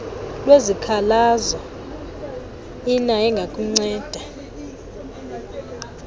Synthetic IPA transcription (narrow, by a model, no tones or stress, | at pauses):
lwezikʰalazɔ | inaɛŋɡʱakʼuŋ͡ǀɛːd̥ʱa